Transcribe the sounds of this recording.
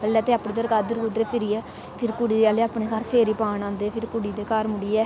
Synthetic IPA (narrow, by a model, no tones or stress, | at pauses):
pɛlːɛːt̪eːɐpːɽed̪əɾkaːd̪əɾkʊd̪ɾeːpʰɪɾiɛː | pʰɪɾkʊɽiːd̪eaːleːɐpɳeːkaːɾpʰeːɾiːpaːnãːnd̪eːpʰɪɾkʊɽiːd̪eːkaːɾmʊɽiːɛː